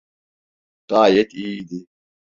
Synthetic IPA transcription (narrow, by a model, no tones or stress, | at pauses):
taːjet̪iːd̪i